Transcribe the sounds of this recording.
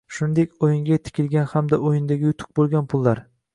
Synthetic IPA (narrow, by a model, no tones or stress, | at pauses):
ʃʊnd̪e̞kʲojɪŋɡʲat̪ʰɪ̥kʲɪlˠɡʲanhamd̪aʔojɪnd̪aɡʲɪjʊt̪ʰʊ̥q̚bolˠɡʲanpʰʊlˠːaɾ